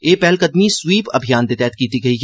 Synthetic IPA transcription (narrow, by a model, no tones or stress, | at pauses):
eːpɛɦlkɐd̪miswiːpɐ̰bʱijaːnd̪eːt̪ɛːt̪kiːt̪iɡɐiː